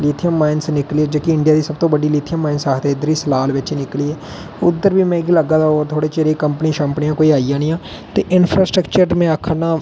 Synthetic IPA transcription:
liːt̪ʰijəmːaːɪnsnɪkliːeːd͡ʒoːkiɪɳɖijaːd̪iːsəbt̪õːbəɖiːliːt̪ʰijəmːaːɪnsaːɦt̪ʰeːɪd̪əɾiːsəlaːlʋɪt͡ʃːnɪkliːɛː | ʊd̪ːəɾʋiːmɛ̃ːɡiləɡaːd̪aɔːɾt̪ʰoːɽeːt͡ʃeɾeːkəmpəniːʃə̃ːmpnɪjãːkoːiːaːijãːnĩːãː | t̪eːʔɪnpʰɾaːsʈɾəkt͡ʃəɾmɛ̃ːəkʰːənãː

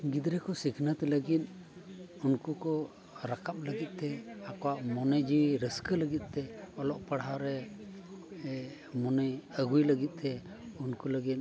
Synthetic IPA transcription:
ɡid̪ɾɛkɔsikʰnat̪ɛləɡit̪̚ | unkukɔ | ɾakʰap̚ləɡit̪̚ˀt̪ɛakɔwaʔmɔnəd͡ʒiɾəskələɡit̪̚ˀt̪ɛɔlɔʔpəɽaɾɛ | mɔnəjəɡujləɡit̪̚ˀt̪ɛ | unkuləɡit̪̚

